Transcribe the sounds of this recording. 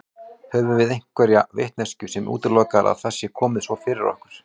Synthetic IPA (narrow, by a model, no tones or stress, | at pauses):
hɛvʏvɪðejŋ̥kʰvɛɾjavḛht̪nɛ̥scʏsɛmʔṵːt̪ɪɾlɔkaɾʔa̰ðθɛsːɪkʰɔːmɪðsvɔfɪːɾɪɾɔ̰hkʏɾ̥